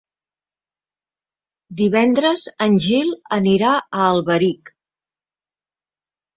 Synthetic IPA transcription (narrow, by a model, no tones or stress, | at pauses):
d̪iβɛnd̪ɾəzənʲʒilˠəniɾaəːlˠβəɾik